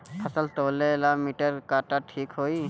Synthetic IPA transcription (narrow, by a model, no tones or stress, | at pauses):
pʰasalt̪oleːlamiʈəɾkaʈaʈʰikɦoj